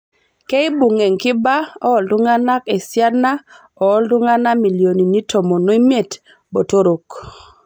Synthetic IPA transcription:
ke˦ɪ˦bu˨ŋe˨ŋkɪ˦ba˦ɔ˦ɔ˨ldʊ˦ŋa˦na˦ke˨sja˦na˦ | ɔ˨ɔ˦ldʊ˦ŋa˦na˦mi˨ljo˨ni˨ni˦tʰo˨mo˨no˦i˦me˨t | bo˨to˦ɾo˨k

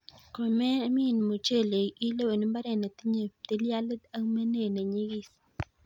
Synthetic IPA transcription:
ko˨mɛ˦mi˦˨n˨mo˨t͡ʃe˦˨le˨i˦le˦we˨n˦mba˦ɾɛ˨ne˨t̪i˦ɲe˨t̪i˦lja˦lda˦me˦ne˦˨ne˨ɲi˦ɡi˦s

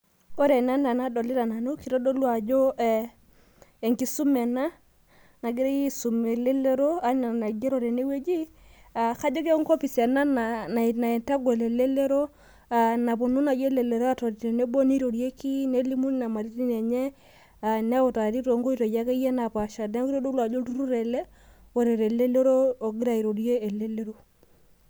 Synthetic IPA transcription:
o˦ɾɛ˨na˦na˨na˦dɔ˨li˦ɾa˨na˨nu˦ki˨ɾo˦do˦lwa˨d͡ʒo˦ɛ˨ | e˨ŋɡi˨su˦mɛ˨na˦ | na˨ɡi˦ɾe˦ji˦su˨me˨le˦le˦ɾo˦a˦na˨na˨ɡe˦ɾo˨ɾe˨ne˦we˦d͡ʒi˦ | a˨ka˦d͡ʒo˦ke˦ŋko˦pi˨sa˨na˦na˨n˨na˨ɛ˨nta˦ɡwɛ˨le˨le˦le˦ɾo˦ | a˨na˨po˨nu˦na˨je˦le˨le˨ɾa˦to˨ɾi˨ɾe˨ne˦bo˦ni˦ɾo˨ɾje˦ki˦ne˦li˦mu˦n˦na˨ma˨ɾi˦ti˦ne˨ɲe˦ | a˨nɛ˦wo˨ta˨ɾi˦to˨ŋɡo˦i˦to˨ja˦ke˦jɛ˦na˨pa˨ʃa˨dɛ˦ŋɡi˦ɾo˦do˦lwa˨d͡ʒo˦tu˦ɾu˦ɾe˨le˦ | wo˨ɾe˨ɾe˨le˦lo˦ɾoː˦˨ɡi˦ɾa˦˨i˨ɾo˨ɾje˦e˨le˦le˦ɾo˦

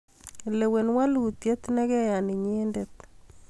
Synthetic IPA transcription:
le˨we˨nwa˦lu˨t̪je˦t̪nɛ˦ɣɛ˦ja˨ni˨ɲeː˦ndet̪

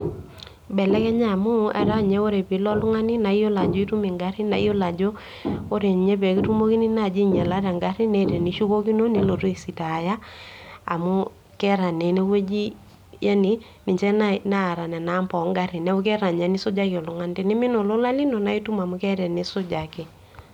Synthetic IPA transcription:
bɛ˨lɛ˦kɛ˦ɲa˦˨mʊ˦ɛ̰˨ɾa˦ɲɛ˦o˦ɾe˨pi˨lɔ˦lʊ˦ŋa˦ni˦na˨i˦jo˦la˨d͡ʒo˦i˦tu˦mi˨ŋɡa˦ɾi˦na˨i˦jo˦la˨d͡ʒo˦ | o˦ɾe˨ɲ˨ɲɛ˦pɛ˨ki˦tu˦mo˦ki˦ni˦na˦˨d͡ʒi˦ɲɛ˨la˦ɾa˨ŋɡa˦ɾi˦nɛ˦ɾɛ˨ni˨˦ʃu˦ko˦ki˦no˦ne˨lo˨to˦i˨si˨ta˨ja˦a̰˨mʊ˦ | kɛ˦ɾa˨ne˨˦ne˦we˦d͡ʒi˦ | ja˦ni˨ | nɪ˨t͡ʃɛ˦na˦na˦˨ɾa˨nɛ˨na˨˦mpɔ˨˦ŋɡa˦ɾi˨nɛ˦o˦kɛ˦ɾa˨ɲa˨ni˦sʊ˦d͡ʒa˦kjɔ˨lʊ˨ŋa˦nte˦nɪ˦mɪ˦no˨lo˦la˦li˦no˨na˦i˦tu˦ma˨mʊ˦kɛ˦ɾɛ˨ne˦sʊ˦d͡ʒa˨kɪ˨

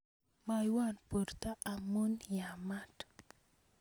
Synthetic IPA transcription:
ma˨jwa˦˨npo˨rt̪a˦ʔːmo˦nja˨ma˦t

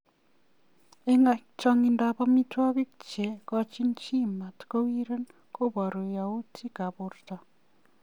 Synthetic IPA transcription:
e˦ŋa˨kt͡ʃɔ˦ŋi˨nda˨pa˦mi˦twa˦βi˦kt͡ʃe˨kɔ˦t͡ʃi˦nt͡ʃi˦ma˨tko˦wi˦ɾe˦n | ko˦bɔ˨ɾo˨ja˨u˦tʰi˦ka˨bo˨rta˨

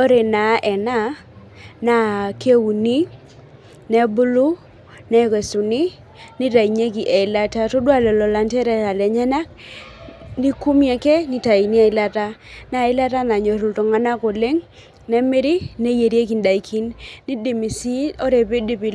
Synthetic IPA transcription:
o˦ɾe˨na˨˦ʔɛ˨na˦ | na˨ke˦u˨ni˦ | nɛ˦bu˦lu˦ | nɛ˦ke˨su˨ni˦ | ni˦ta˨i˨ɲe˦ki˨ʔɛ˨ɪ˨la˦ta˦to˦dwa˦lɔ˨lɔ˨la˨ntɛ˦ɾɛ˦ta˨lɛ˨ɲa˦na˦k̚ | ni˦ku˦mjɛ˨kɛ˦nɪ˦ta˨i˨ni˦ɛ˨ɪ˨la˦ta˦na˨ɪ˦la˦ta˦na˨ɲo˨ɾu˨lto˨ŋa˦na˦ko˨le˦ŋ | nɛ˦me˦ɾi˦ne˦je˨ɾje˦ki˨nda˨i˨kʰi˦nni˦di˨mi˨si˦o˦ɾe˨be˦di˦bi˨

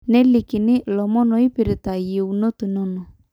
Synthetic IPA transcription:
nɛ˦lɪ˨kɪ˨nɪ˦lɔ˨mɔ˦nɔ˨i˦pɪ˨ɾɪ˨t̪a˨je˨u˨no˦t̪u˨nɔ˦nɔ˨

